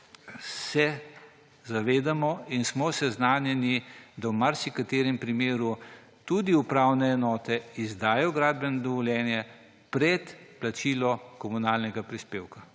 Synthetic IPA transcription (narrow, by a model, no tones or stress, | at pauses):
sɛ | zaʋeːd̪amɔinsmɔsɛznaːnjɛnid̪awmaɾsikat̪eːɾɛmpɾimeːɾu | t̪ud̪iupɾawnɛːnɔːt̪ɛizd̪aːjɔɡɾaːd̪̚bɛnɔd̪ɔʋɔljɛːnjɛ | pɾɛt̪plat͡ʃiːlɔkɔmunaːlnɛɡapɾispeːwka